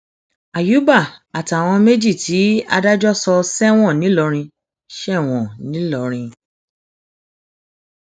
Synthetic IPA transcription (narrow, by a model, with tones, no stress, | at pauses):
a˨ju˨˦ba˦˨a˨ta˨w̃ɔ̃˧me˦d͡ʒi˦˨tʰi˨˦a˧da˦d͡ʒɔ˦sɔ˧sɛ˦w̃ɔ̃˦˨nĩ˨˦lɔ˧ɾ̃ĩ˧ | ʃɛ˦˨w̃ɔ̃˨nĩ˨˦lɔ˧ɾ̃ĩ˧